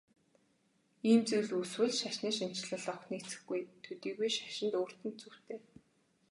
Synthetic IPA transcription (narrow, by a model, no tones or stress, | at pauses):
iːmt͡sewɮuswɘ̆ɮʃaʃniːʃim̥t͡ɕɮə̆ɮɔxniːt͡sɘ̥̆xɡujt̪ʰɵt̪iːɣujʃaʃɪ̆nt̪oːr̥t̪ɘ̆nt̪̚t͡suw̥t̪ʰeː